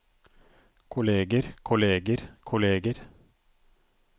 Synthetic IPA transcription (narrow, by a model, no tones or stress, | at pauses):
kʰʊleːɡəɾkʰʊleːɡəɾkʰʊleːɡəɾ